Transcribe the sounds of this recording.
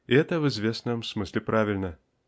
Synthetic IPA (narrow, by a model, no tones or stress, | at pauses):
ɪɛt̪əvɨzvʲesnəmsmɨsʲlʲɪpɾʔavʲɪlʲnə